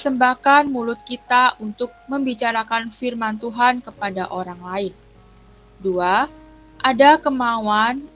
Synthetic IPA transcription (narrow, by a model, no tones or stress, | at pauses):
əsəmbakanmulʊt̪̚kit̪aʔunt̪ʊk̚məmbit͡ʃaɾakanfirmant̪uɦankəpadaʔoɾaŋlaɪn | dua | ʔadakəmawan